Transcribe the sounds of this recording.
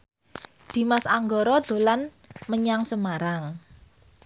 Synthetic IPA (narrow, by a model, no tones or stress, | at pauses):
d̪̥i̤masaŋɡɔɾɔd̪̥o̤lan | məɲaŋsəmaɾaŋ